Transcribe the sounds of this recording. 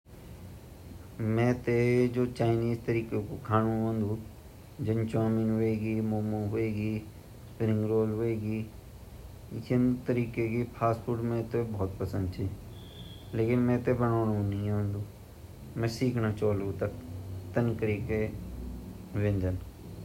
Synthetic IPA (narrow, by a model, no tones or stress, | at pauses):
mɛ̃ːt̪ed͡ʒoːt͡ʃaːɪniːzt̪əɾiːkekokʰaːnũɦõnd̪ũː | d͡ʒənt͡ʃãːmɪnɦoeːɡiːmoːmõːɦʊeːɡiː | spɪɾɪ̃ŋɡɾoːlɦoeːɡiː | jɪnt̪əɾiːkekipʰaːspʰʊɾʈmɛ̃ːt̪ebɔːt̪pəsə̃nd̪t͡ʃʰiː | leːkɪnmɛ̃ːt̪ebənoːnõnĩːɦʊ̃nd̪uː | mɛ̃ːsiːkʰnaːt͡ʃoːlːt̪əkt̪ənkəɾiːke | ʋẽnd͡ʒ̪ən